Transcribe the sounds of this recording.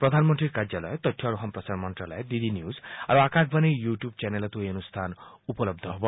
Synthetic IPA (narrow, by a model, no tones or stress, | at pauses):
pɾɔd̪ʱanmɔnt̪ɾiɾkaɾd͡ʒjalɔ̰jɔt̪ɔʈʰjɔɾuɦampɾɔsaɾmɔnt̪rala̰ed̪id̪injuzaɾuakaɡ̚banejjuʈjub̚t͡ʃanelɔt̪uenust̪ʰanupɔlɔb̚d̪ʱɔɦobɔ